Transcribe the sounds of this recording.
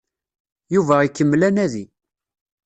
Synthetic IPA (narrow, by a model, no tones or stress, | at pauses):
juvæikːəmːlænæði